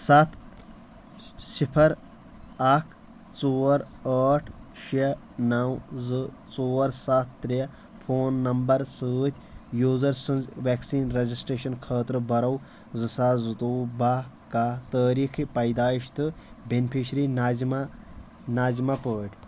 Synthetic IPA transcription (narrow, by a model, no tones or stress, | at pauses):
sɐt̪ʰ | sipʰɐɾ | ɐkʰ | t͡soːɾ | əːʈʰʃe | nɐwzɨ | t͡soːɾsat̪ʰːɾe | pʰoːnːɐmbɐɾsəːt̪ʲʰ | juːzɐɾsɨnzʋeːksiːnɾed͡ʒisʈɾeːʃɐnkʰəːt̪ɾɨbɐɾɐw | zɨsaːzɨd̪oːba | kaːt̪əːɾiːkʰipɐjd̪aːiʃt̪ɨbenpʰiʃɾinazima | naːzimapəːʈʲ